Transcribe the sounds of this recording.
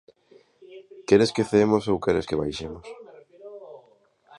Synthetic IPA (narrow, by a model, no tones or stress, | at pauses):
keɾeskeθemosowkɛɾeskeβajʃemos